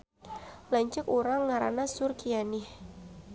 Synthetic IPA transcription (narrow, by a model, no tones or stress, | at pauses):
laɲt͡ʃʊkuɾaŋːaɾa̰nasʊrkianɪh